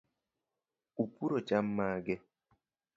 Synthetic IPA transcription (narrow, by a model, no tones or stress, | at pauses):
upuɾot͡ʃam̩maːɡɛ